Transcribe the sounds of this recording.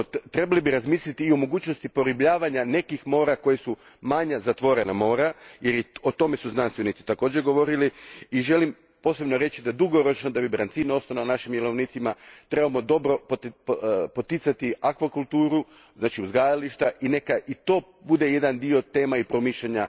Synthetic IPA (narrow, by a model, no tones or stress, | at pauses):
t̪ɾe̞balibiɾazmiːslit̪iːomo̞ɡuːt͡ɕno̞st̪ipo̞ɾibʎaːʋaɲane̞kixmo̞ːɾako̞jesumaɲazat̪ʋo̞ɾenamo̞ːɾajeɾot̪o̞me̞suznanst̪ʋe̞nit̪si̥t̪ako̞ːd͡ʑeɡo̞ʋo̞ɾiliiʒe̞lim | po̞ːse̞bnoɾe̞t͡ɕid̪ad̪uɡo̞ɾo̞t͡ʃno̞d̪abibɾant̪siːno̞st̪onanaʃimdjelˠo̞ʋnit̪simat̪ɾe̞bamod̪o̞bɾo̞p | po̞t̪it̪sat̪iakʋakulˠt̪uːɾu | znaːt͡ʃiuzɡajaliʃt̪aʔine̞kaʔit̪o̞ː | bud̪e̞je̞d̪and̪io̞t̪e̞ːmaipɾo̞miʃʎeɲa